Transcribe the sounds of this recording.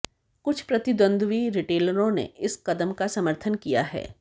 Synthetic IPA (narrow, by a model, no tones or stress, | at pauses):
kʊt͡ʃʰpɾɐt̪ɪd̪wə̃nd̪ʋiɾɪʈeːləɾõnḛɪskɐd̪əmkasɐməɾt̪ʰənkija̰ɦɛ̰ː